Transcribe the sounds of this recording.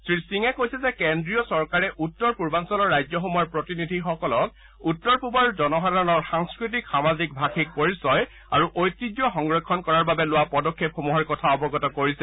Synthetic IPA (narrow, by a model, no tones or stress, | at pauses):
sɹisiŋɛkojsɛzɛkendɹijɔsɔɹkaɹɛʔutːɔɹpuɹbansɔlɔɹːajzɔxɔmɔɔɹpɹotinidʱixɔkɔlɔt̚ | utːɔɹpubaɹzɔnɔɦadʱaɔnɔɹxaŋskɹit̬ikxamazik̚bʱaxik̚poɹisɔj | a̰ɹuʔojtːid͡ʒjɔxɔŋɡɹɔkʰːɔnkɔɹaɹbabɛlʊwapɔdɔkʰːepxɔmuɦɔɹkɔtʰaɔbɔɡɔtɔkoɹisɛ